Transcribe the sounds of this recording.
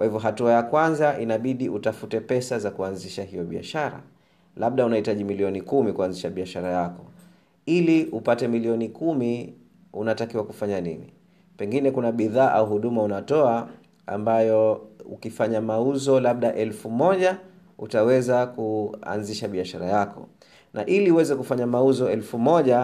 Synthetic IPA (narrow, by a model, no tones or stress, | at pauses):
kwahivjɔɦatuajakwanzaʔinaɓiɗiʔutafutɛpɛsazakuanziʃahijɔɓia̰ʃaɾa̰ | laɓ̚ɗaunahitaʄimiliɔnikumikuanziʃaɓiaʃaɾajakɔ | iliʔupatɛmiliɔnikumi | unatakiwakufaɲanini | pɛŋɡinɛkunaɓiðaːʔauɦuɗumaunatɔa | a̰mbajɔṵkifaɲamauzɔlaɓ̚ɗaʔɛlfumɔʄa | utawɛzakua̰nziʃaɓiaʃaɾajakɔ̰ | naʔiliuwɛzɛkufaɲamauzɔɛlfumɔʄa